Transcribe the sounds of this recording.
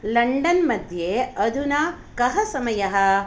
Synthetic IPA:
lɐɳɖɐnmɐd̪ʱjeːɐd̪ʱunaː | kɐɦɐsɐmɐjɐɦɐ̆

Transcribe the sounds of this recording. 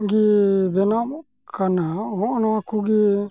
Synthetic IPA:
ɡibɛnamɔ | kʰanaɔnɔakuɡi

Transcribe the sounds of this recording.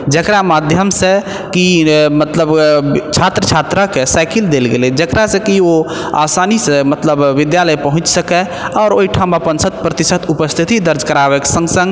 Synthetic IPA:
d͡ʒəkɾamad̪ʱjəmsẽ | kimət̪ləbt͡ʃʰat̪ɾət͡ʃʰat̪ɾəkesajkild̪elɡelɛd͡ʒəkɾasẽkio | a̰sanisẽmət̪ləbːid̪jaləjpəɦũt͡ʃsəkɛ | ɔːɾoiʈʰãbapənsət̪̚pɾət̪isət̪ʰupəst̪ʰit̪id̪əɾd͡ʒkəɾabɛke̥sə̃ŋɡsə̃ŋɡ

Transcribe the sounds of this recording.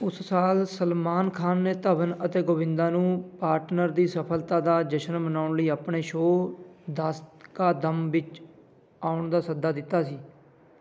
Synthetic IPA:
ʊssaːlsəlmaːnkʰaːnːeːt̪əʋənət̪eːɡoːʋɪ̃nd̪aːnũːpaːɾʈnəɾd̪iːsəpʰəlt̪ãːd̪aːd͡ʒəʃənmənaːʊɳləiːaːpɳeːʃoːd̪aːst̪kaːd̪əmʋɪt͡ʃ | aːʊɳd̪aːsəd̪aːd̪ɪt̪ːaːsiː

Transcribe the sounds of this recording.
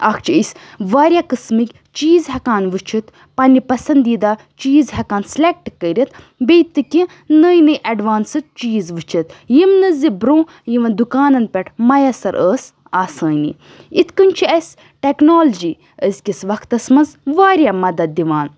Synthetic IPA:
aːkʰt͡ʃʰiəsʲʋaːɾʲjaːkɨsmikʲ | t͡ʃiːzɦɐkaːnʋɨt͡ʃʰit̪ | pɐnʲipɐsɐnd̪iːd̪aː | t͡ʃiːzɦɐkaːnslʲek̚ʈkəɾʲit̪ | bʲejt̪ːɨkʲi | nəjnɨjʔɐɖʋaːnsɨt̪̚t͡ʃiːzʋɨt͡ʃʰit̪jimnɨzibɾõː | jiʋɐnd̪ukaːnɐnpʲɛʈʰmɐjɐsɐɾʔəːs | aːsəːnḭ | it̪ʰkɨnʲt͡ʃʰiɐsʲ | ʈeknoːlɐd͡ʒi | əsʲkʲisʋɐkt̪ɐsmɐnzʋaːɾjaːmɐd̪ɐd̪̚ːiʋaːn

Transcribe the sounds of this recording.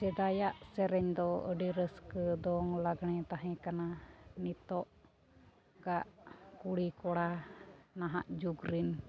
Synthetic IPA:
sɛd̪ajaʔsɛɾɛɲd̪ɔə̰ɖiɾəskəd̪ɔŋlaɡɳɛt̪aɦɛ̃kananit̪ɔʔ | ɡaʔkuɽikɔɽanaɦaʔd͡ʒuɡɾin

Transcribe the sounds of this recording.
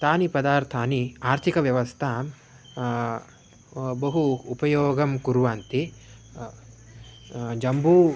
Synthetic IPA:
t̪aːnipɐd̪aːɾt̪ʰaːniaːɾt̪ʰikɐʋjɐʋɐst̪ʰaːm | bɐɦuːpɐjoːɡɐmkuɾʋaːnt̪i | d͡ʒɐmbu

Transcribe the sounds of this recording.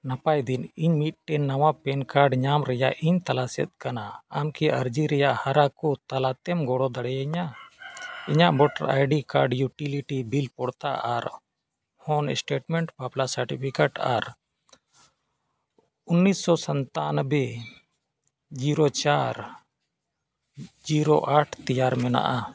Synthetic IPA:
napajd̪iniɲmit̪̚ʈɛnawapɛnkaɾɖɲamɾɛja̰ʔʔiɲt̪alasɛ̰t̪̚kanaːmkiʔəɾd͡ʒiɾɛjaʔhaɾakɔt̪alat̪ɛmɡɔɽɔd̪aɽɛjaɲa | iɲaʔbɔʈa̰ɾa̰jɖikaɾɖjuʈiliʈibilpɔɽt̪aʔaɾ | hɔnɛsʈeʈmɛɳʈpaplasəɾʈipʰikeʈaɾ | unːisːɔsənt̪anəbɛ | d͡ʒiɾɔt͡ʃaɾ | d͡ʒiɾoʔaʈʰt̪ijaɾmɛna̰ʔa

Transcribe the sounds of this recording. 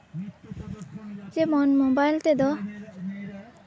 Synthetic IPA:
zemɔnmobajlt̪ed̪ɔ

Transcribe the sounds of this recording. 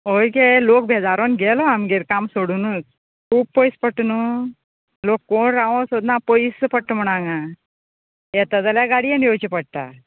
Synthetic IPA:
ojkelok̚bʱed͡zaɾonɡʱɛlɔamɡeɾkamsoɽunut͡s | kʰuːb̚pojspəʈnu | lokːoɳɾaʋõsod̪napoispəʈʰːm̤əɽ̃aŋɡa | jɛt̪əd̪aljaɡaɽienjot͡ɕipəɽ̚t̪a̰

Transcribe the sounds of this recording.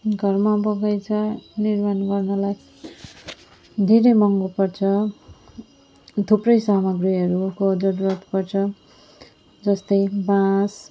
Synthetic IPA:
ɡʱʌrmabʌɡajt͡sʰʌnirmanɡʌrnʌlaj | d̪ʱeɾʌjmʌŋɡopʌrt͡sʰʌ | t̪ʰuprʌjsamʌɡriʌɾukod͡zʌɾurat̪pʌrt͡sʰʌ | d͡zʌst̪ʌjbãs

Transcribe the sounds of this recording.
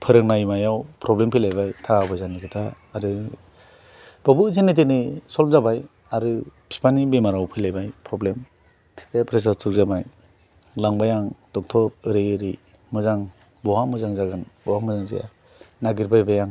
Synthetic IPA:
pʰɯɾɯŋnajmajawpɾɔblempʰijlajbajtʰaɡabɯjzanikʰɯtʰaː | ɾɯ | b̥ɔbɯzenet̬enisɔlmzabaj | aɾɯpʰi̥panibemaɾawpʰɯjlajbajpɾɔblem | tʰi̥papʰɾes̬atʰuk̚zabaj | laŋbajaŋdɔk̚tʰɔp̚ɯɾejɯɾi | mɯzaŋ | bɔwamɯzaŋzaɡɯnbɔwamɯzaŋzḭja̰ | naɡiɾbajbajaŋ

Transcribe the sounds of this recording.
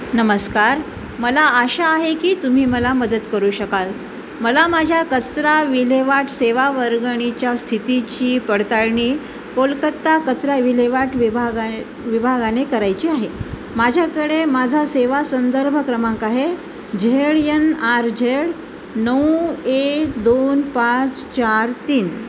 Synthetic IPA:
nəməskaɾ | məlaəɕaːɦekiːt̪um̤iːməlaməd̪ət̪kəɾuːɕəkal | məlamad͡ʑʱjakət͡sɾaʋileʋaʈʰseʋaʋəɾɡəɳ̃it͡ɕjast̪ʰit̪it͡ɕiːpəɽt̪aɾɳiː | polkət̪ːakət͡sɾaʋileʋaʈʋibʱaɡ | ʋibʱaɡanekəɾajt͡ɕiːaɦe | mad͡ʑʱjakəɽemad͡zʱaseʋasənd̪əɾbʱəkɾəmãkaɦe | d͡ʑʱeɭjənaɾd͡ʑʱeɭ | nəwekd̪onpat͡st͡ɕaɾt̪iːn

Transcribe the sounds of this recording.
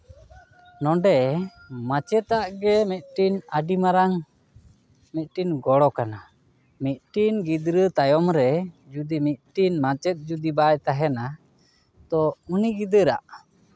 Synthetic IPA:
nɔɖɛ | mat͡ʃɛt̪aʔɡɛmit̪̚ʈinaɖimaɾaŋ | mit̪̚ʈinɡɔɽɔkana | mit̪̚ʈinɡid̪ɾət̪ajɔmɾɛ | d͡ʒud̪imit̪̚ʈinmat͡ʃɛt̪̚ˀd͡ʒud̪ibajt̪aɦɛna | t̪ɔuniɡid̪əɾa̰ʔ

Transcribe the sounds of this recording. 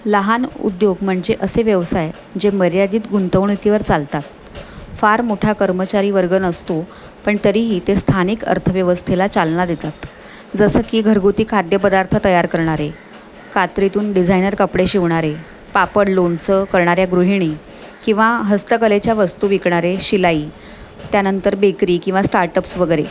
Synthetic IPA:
ləɦanṵd̪joɡm̤əɳd͡zeʔəseʋjəʋsaj | d͡ʑeməɾjad̪iːt̪ɡunt̪əʋɳuk̪iʋəɾt͡salt̪at̪̚ | faɾmoʈʰakəɾmət͡ɕaɾiːʋəɾɡənəst̪o | pəɳt̪əɾiɦiːt̪est̪ʰaniːkə̰ɾt̪ʰəʋjəʋəst̪ʰelat͡salnad̪et̪at̪ | d͡zəsəːkiːɡʱəɾɡut̪iːkʰad̪jəpəd̪aɾt̪ʰət̪əjaɾkəɾɳ̃aɾe | kat̪ɾit̪uːnɖid͡zʱajnəɾkəpɽeɕiʋɳ̃aɾe | papəɽloɳt͡səkəɾɳaɾjaɡɾuɦiɳ̃i | kĩʋaɦəst̪əkəlet͡ɕjaʋəst̪uːʋikɳaɾeɕilaiː | t̪janənt̪əɾbekɾiːkĩw̃ʋasʈaɾʈəpsʋəɡəɾe

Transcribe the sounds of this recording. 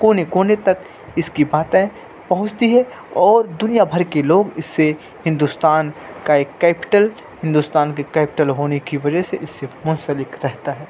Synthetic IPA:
koːnekoːnet̪ɐk | ɪskibaːt̪ẽ | pɐɦʊ̃t͡ʃt̪iɦɛ | ɔːɾd̪ʊnijabʱɐɾkeloːɡɪsːe | hɪ̃nd̪ust̪aːnkaeːkːɛːpɪ̥ʈəl | hɪ̃nd̪ust̪aːnkekɛːpɪʈəlɦoːnekiʋɐd͡ʒɛɦseʔɪsːemʊ̃nsəlɪkɾɛɦt̪aɦɛː

